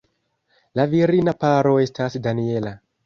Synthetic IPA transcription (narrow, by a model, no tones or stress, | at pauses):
laviɾinapaɾo̞e̞stasdanie̞la